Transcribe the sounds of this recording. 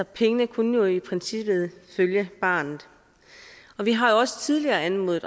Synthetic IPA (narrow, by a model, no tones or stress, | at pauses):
ɒ̽pʰeŋənəkʰunəjo̝ipʰʁɛnsib̥ð̞̩ˠføljəb̥ɑ̈ːnð̩ˠ | ɒ̽ʋiɦɑ̈jo̝ɒ̽sə̥t͡sʰið̞ˠliɐːænmo̰ːð̩ˠ